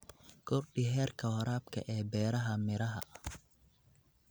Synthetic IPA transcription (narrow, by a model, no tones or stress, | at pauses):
ɡʰɔrɖɪɦɛːrkʰɐwɐɾaːbkʰɐ̰ʔɛːbɛːɾɐɦɐmɪɾɐɦɐ̰